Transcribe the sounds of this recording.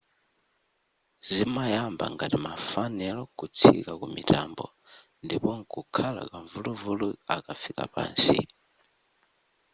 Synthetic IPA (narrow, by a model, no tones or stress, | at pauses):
zimajamba̰ŋɡatimafanɛlɔkut͡sʰikakumitambɔ | ndipɔŋkukʰala̰kaɱvuluvuluakafika̰pa̰ːnsḭ